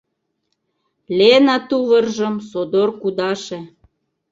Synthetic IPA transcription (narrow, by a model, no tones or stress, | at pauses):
lʲenɑt̪uβərʒə̆msod̪orkud̪ɑʃe